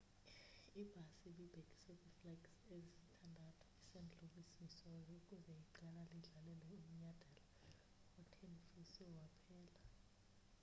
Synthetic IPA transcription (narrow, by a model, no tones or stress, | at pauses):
ib̥ʱasiɓib̥ʱeɡ̥ʱi̥sekʼuflaɡsezisi̥tʰandʱatʰɔ̥isend͡ɮʱuɓisisɔjokʼuzɛjiǃɛlaliɮalɛlɛum̩ɲad̥ʱɛla | ɔtʰenifisɛwapʰɛːla